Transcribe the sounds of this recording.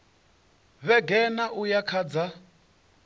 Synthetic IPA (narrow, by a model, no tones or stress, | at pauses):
βɛɡɛnaʔujakʰad͡za